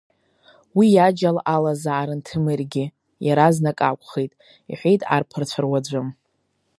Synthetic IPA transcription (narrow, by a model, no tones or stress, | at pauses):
wijad͡ʒalalazaʕːɾɨntʰɨmɨrɡʲɪ | jaɾaznakʼakʷʰʼχejtʼ | ḭħʷejtʼa̰rpʰɨrt͡ɕʷʰarwad͡zʷʊm